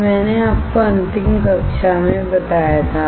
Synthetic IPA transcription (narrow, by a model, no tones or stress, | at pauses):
mɛːneaːp̚koɐ̃nt̪ɪ̃ŋkɐkʃamẽbɐt̪aːjat̪ʰa